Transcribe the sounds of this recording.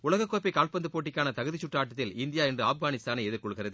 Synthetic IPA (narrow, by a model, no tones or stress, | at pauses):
ʊlɐɣɐkːoːpːɐɪkaːlpɐnd̪ɯpoːʈ̬ːɪkʲːaːnɐt̪ɐɣɯðɪt͡ʃːʊʈraːʈːɐt̪ːɪlɪnd̪ɪjaːɛndrɯaːfɡaːnɪst̪aːnɐɪɛðɪɾkɔɭɣɪrɐðɯ